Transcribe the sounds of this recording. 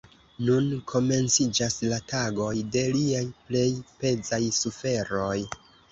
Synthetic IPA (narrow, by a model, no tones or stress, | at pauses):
nunkʰo̞me̞nt͡sid͡ʒaslataɡo̞jde̞liajple̞jpe̞zajsufe̞ɾo̞j